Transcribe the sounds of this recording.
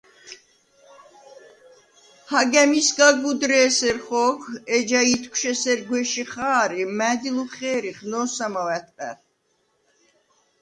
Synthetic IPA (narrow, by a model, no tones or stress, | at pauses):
haɡɛmisɡaɡud̪ɾɛːsɛɾχɔːkʰɛd͡ʒait̪ʰkʷʰʃɛsɛɾɡwɛʃiχaːɾimæːd̪iluχɛːɾiχnɔːsamawɛt̪ʼqʼɛ̰